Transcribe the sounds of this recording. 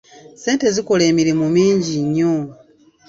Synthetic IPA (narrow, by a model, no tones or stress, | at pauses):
se̞ːnte̞zikole̞ːmiɾemumiːɲɟiɲːo